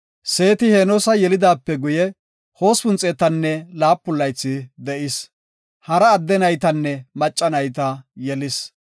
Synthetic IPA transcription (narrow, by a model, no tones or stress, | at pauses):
se̞ːt̪ɪheːnɔsɐjɛlɪd̪aːpːɛɡʊjɛ | ho̞ːspʊnt͡sʼeːt̪ɐnːɛlaːpːʊlːɐjt͡sːɪd̪ɛʔɪs | hɐɾɐːd̪ːɛnɐjt̪ɐnːɛmɐt͡ʃʼːɐnɐjt̪̬ɐjɛlɪs